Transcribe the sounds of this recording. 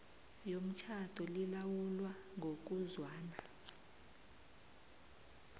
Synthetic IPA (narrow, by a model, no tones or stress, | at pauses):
jom̩t͡ʃʰatʰʼɔlilawulwa | ŋʱok̬ʼuzwaːna